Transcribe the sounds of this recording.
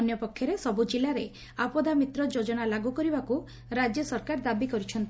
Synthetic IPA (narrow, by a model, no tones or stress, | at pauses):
njɔpɔkʰːjɔɾesɔbud͡ʒilaɾe | apɔd̪ʱamit̪ɾɔd͡ʒod͡ʒɔɽ̃alaɡukɔɾibaku | ɾad͡ʒjɔsɔɾkaɾd̪abikɔɾut͡ʃʰɔnt̪i